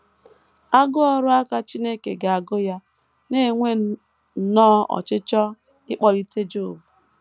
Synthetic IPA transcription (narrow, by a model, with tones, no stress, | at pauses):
a˦ɡʊ˦ɔ˦ɾʊ˦a˦ka˦t͡ʃi˦ne˦kḛ˨ɡa˨a˨ɡʊ˦ja˦ | ne˦˨ŋʷe˦ | nɔː˦ɔ̰˨t͡ʃɪ˦t͡ʃɔ˦ | ɪ˦k͡pɔ˦ɾi˦te˦d͡ʒo˦˨bu˨